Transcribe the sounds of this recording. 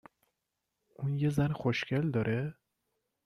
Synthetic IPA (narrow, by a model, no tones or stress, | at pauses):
ʔuːnjezænxoʃcʰeld̪ɒɾʔe